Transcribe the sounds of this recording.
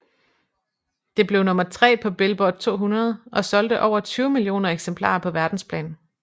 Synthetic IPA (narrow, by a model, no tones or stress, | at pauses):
d̥e̝b̥le̝ʊnɔ̽mɐt͡sʰʁɛ̰ːpʰɒ̽b̥e̝lb̥ɒd̥̚ˠt͡sʰo̝̰ːɦunɐð̞ˠʔɒ̽sɒ̽ld̥əʔɒʊ̰ɐt͡sʰyːʊmiljo̝̰ːnɐeɡ̥sempʰlɑ̰̈ːpʰɒ̽ʋæɐd̥n̩spʰlɛ̰ːn